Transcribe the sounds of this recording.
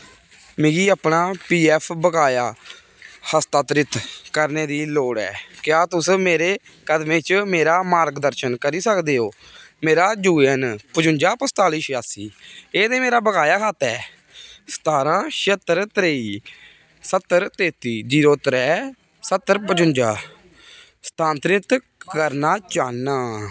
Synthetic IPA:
mẽːɡiːaːpnaːpiːɛːpʰbəɡaːjaː | həst̪aːt̪ɾɪt̪kəɾneːd̪iːloːɽɛ̰ːkjaːt̪ʊsmeːɾeː | kət̪mẽːt͡ʃmeːɾaːmaːɾɡd̪əɾʃənkəɾiːsəkd̪eːɦoːmeːɾaːd͡ʒuːənpəd͡ʒʊ̃nd͡ʒaːpəst̪aːliːʃjaːsḭːeːd̪ẽːmeːɾaːbəɡaːjaːkat̪ːɛː | sə̥t̪aːɾãːʃət̪ːəɾt̪ɾeːiː | sət̪ːəɾt̪eːt̪iːd͡ʒiːɾoːt̪ɾɛː | sət̪ːəɾpəd͡ʒʊ̃nd͡ʒaː | st̪ãːnt̪ɾɪt̪ | kəɾnaːt͡ʃaːnaː

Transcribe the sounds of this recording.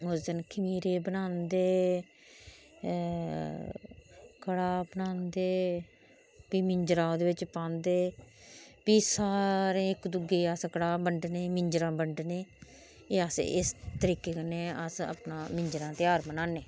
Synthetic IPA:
osd̪ɪnkʰɪmiːɾeːbənaːnd̪eː | kəɽaːbənaːnd̪eː | piːmɪɲd͡ʒɾãːod̪eːʋɪt͡ʃpãːnd̪eː | piːsaːɾẽːɪkd̪ʊɡeːəskəɽaːbəɳɖneːmɪɲd͡ʒɾãːbəɳɖneː | eːəsɪ̰st̪əɾiːkeːkəneːəsə̰pnaːmɪɲd͡ʒɾãːt̪eːaːɾbənãːneː

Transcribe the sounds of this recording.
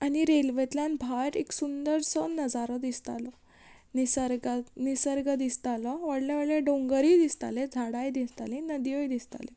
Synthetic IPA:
aniɾelʋet̪lãnbʱaɾeksund̪əɾsɔnnːəd͡zaɾɔd̪ist̪a̰lɔ | nisəɾɡnisəɾɡəd̪ist̪alɔʋəɽlaʋəɽleɖõŋɡəɾid̪ist̪a̰led͡zʱaɽajd̪ist̪alĩnəd̪jojd̪ist̪a̰le

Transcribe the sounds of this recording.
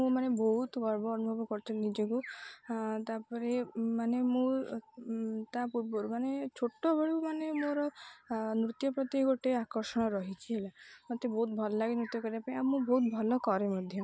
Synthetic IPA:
mũmanebɔɦut̪ɡɔɾbɔːnubʱɔbɔkɔɾt͡ʃʰɛnnid͡ʒeku | t̪apɔɾemanemũ | t̪apuɾbɔɾumanet͡ʃʰoʈːobʱɔɭiumanemoɾɔnɾut̪jɔpɾɔt̪jiɡoʈeakɔɾsɔɽ̃ɔɾɔɦit͡ʃʰiɦelamat̪ɾebɔɦut̪̚bʱɔlɔlaɡinɾut̪jɔkɔɾiapaĩamũbɔɦut̪bʱɔlɔkɔɾemɔd̪ʱjɔ

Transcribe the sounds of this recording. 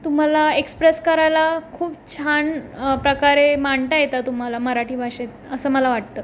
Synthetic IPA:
t̪um̤alaekspɾeskəɾajlakʰuːp̚t͡ɕʰanpɾəkaɾemaɳʈ̪ajet̪at̪um̤alaməɾaʈʰiːbʱaɕet̪əsəːməlaʋaʈ̚t̪əː

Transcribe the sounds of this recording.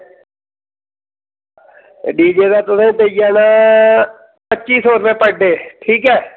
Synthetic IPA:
ɖiːd͡ʒeːd̪aːt̪ʊsẽːt̪eːijaːnaː | pətːʃiːsoːɾpeːpəɖeːʈʰiːkɛː

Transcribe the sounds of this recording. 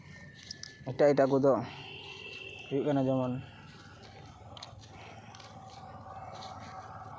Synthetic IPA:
ɛʈaɛʈakud̪ɔ | iuʔkanad͡ʒɔmɔn

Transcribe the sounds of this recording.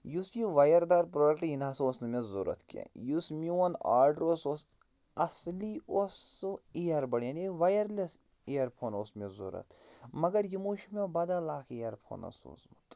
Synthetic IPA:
jusjiʋɐjɐɾd̪aːɾpɾoːɖɐkʈijinasosnumezuɾɐ̰t̪kʲḛjusmiwɐna̰ːɾɖɐɾoːsos | ɐsliosejɐɾbɐɽjɐniʋɐjɐɾles | ejɐɾpʰonoːsmezṵɾɐ̰t̪ʰmɐɡɐɾjimuːʃmiobɐd̪alaːkʰejɐɾpʰo̰ːnɐ̰so̰ːzmɐt̪

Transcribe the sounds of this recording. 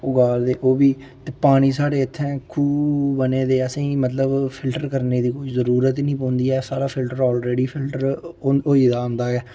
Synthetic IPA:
oːɡaːld̪eːʔoːbiː | t̪eːpaːɽ̃iːsaːɽeːɪt̪ʰːɛ̃ːkʰuːbəneːd̪eːəsĩmət̪̬ləbpʰɪlʈəɾkəɾneːd̪iːkoːiːzəɾuːɾət̪nĩːpɔ̃ːnd̪iːɛːsaːɾaːpʰɪlʈəɾɔːlɾeːɖiːpʰɪlʈəɾoːiːd̪aːʊ̃nd̪aːɡɛː

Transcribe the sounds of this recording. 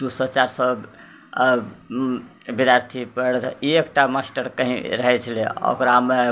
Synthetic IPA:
d̪usɔt͡ʃaɾsə | bid̪jaɾt̪ʰipəɾt̪iek̚ʈamasʈəɾkəɦĩɾəɦɛt͡ʃʰəleo̰o̰kɾame

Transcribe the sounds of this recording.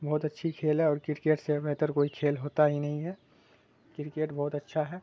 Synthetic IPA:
bɔːʊt̪ɐtːʃʰikʰeːlɦɛɔːɾkɪɾkeːʈsebɛɦt̪əɾkoːikʰeːlɦoːt̪aɦinɐɦĩɦɛː | kɪɾkeːʈbɐːʊt̪ɐtːʃʰaɦɛː

